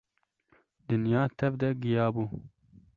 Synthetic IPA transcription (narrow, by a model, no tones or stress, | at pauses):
d̪ɨnjɑːt̪ʰɛvd̪ɛɡijɑːbuː